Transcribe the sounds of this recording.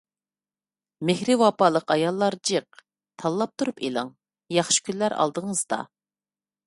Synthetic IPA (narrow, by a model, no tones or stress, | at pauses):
mɪhɾɪwɑpɑlˠəqɑjɑlˠːɑɾd͡ʒeq̚ | t̪ʰɑlˠːɑp̚t̪ʰuɾupelˠɨŋ | jɑχʃɪ̥kʲʰynlːæɾɑ̰lˠd̪əŋəzd̪ɑ̰